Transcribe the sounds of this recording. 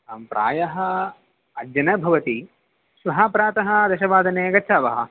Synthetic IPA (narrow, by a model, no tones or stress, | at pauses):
pɾʔa̰ːjɐɦɐ̆ | ɐd͡ʒɐnɐbʱɐʋɐt̪i | sʋɐɦaːpɾaːt̪ɐɦɐ̆d̪ɐʃɐʋaːd̪ʱɐneːɐɡɐtːʃʰaːʋɐɦɐ̰̆